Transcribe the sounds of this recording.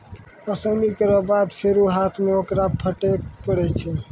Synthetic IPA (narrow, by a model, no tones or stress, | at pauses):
əsəmikəɾəbad̪pʰeɾuɦat̪ʰmeokɾapʰəʈepəɽɛt͡ʃʰɛ